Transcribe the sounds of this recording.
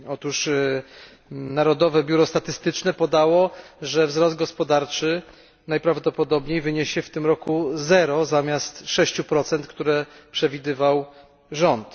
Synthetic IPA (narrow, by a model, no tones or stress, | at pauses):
ɔt̪uʂ | naɾɔd̪ɔvɛbʲjuɾɔst̪at̪ɘst̪ɘt͡ʂnɛpɔd̪awɔʐɛvzɾɔst̪̚ɡɔspɔd̪aɾt͡ʂɘ | najpɾavd̪ɔpɔd̪ɔbɲejvɘɲeɕɛft̪ɘmɾɔkuzɛɾɔzamʲjast̪ʂɛɕt͡ɕupɾɔt̪sɛnt̪kt̪uɾɛpʂɛvʲid̪ɘvaw | ʐɔnt̪